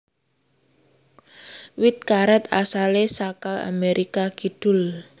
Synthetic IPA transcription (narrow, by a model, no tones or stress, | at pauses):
wɪt̪̚kaɾat̪a̰salesakaa̰meɾʔikaɡ̥id̪̥ʊ̤l